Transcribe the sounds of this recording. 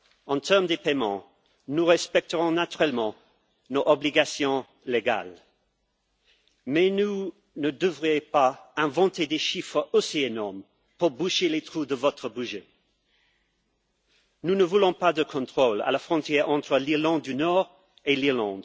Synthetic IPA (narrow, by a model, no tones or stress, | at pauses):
ɑ̃t̪ʰɛʁmd̪epɛmɑ̃ | nuʁɛspɛk̚t̪əʁɔ̃nat̪yʁɛlmɑ̃ | noʔɔbliɡasjɔ̃ | leɡa̰l | mɛnu | nəd̪əvʁiẽpaɛ̃vɑ̃t̪ed̪eʃifχəosienɔʁm | puʁbuʃelet̪χud̪əvɔt̪χəbyʒe | nunəvulɔ̃pad̪əkʰɔ̃t̪χola̰lafχɔ̃t̪jɛʁɑ̃t̪χəliʁlɑ̃d̪̚ːynɔːʁ | eliʁlɑ̰̃d̪